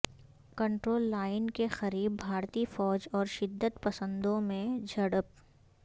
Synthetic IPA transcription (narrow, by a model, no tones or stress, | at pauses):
kɐ̃ɳʈɾoːlːaːɪnkexɐɾiːbːʱaːɾt̪ifɔːd͡ʒɔːɾʃɪd̪ːət̪pɐsə̃nd̪õmẽd͡ʒʱɐɽəp̚